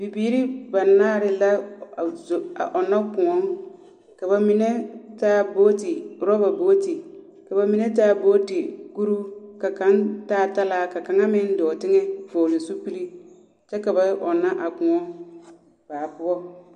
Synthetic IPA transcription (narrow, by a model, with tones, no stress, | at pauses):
bi˨biː˦ɾi˦ba˨naː˦˨ɾɪ˨la˦˨ | a̰˨ʔɔ˨na˦kʊ̃˨ŋɔ˦ŋ | ka˨ba˨mi˨ne˦taː˦boː˦ti˨ɾɔ˦ba˨boː˦ti˨ | ka˨ba˨mi˨ne˦taː˦˨boː˦ti˨ɡu˦ɾu˦ka˨kã˦ntaː˦˨ta˦laː˦ka˨kã˨ŋa˦mɪ̃˦n˦dɪ˨ɔ˨tɪ˦ŋɛ˦foː˨lɪ˨su˦pi˦li˦ | t͡ʃɛ˦ka˨ba˦ʔɔ˨nã˦ʔa˨kʊ̃˨ŋɔ˦ŋ | b̥aː˨bʊ˦ɔ˦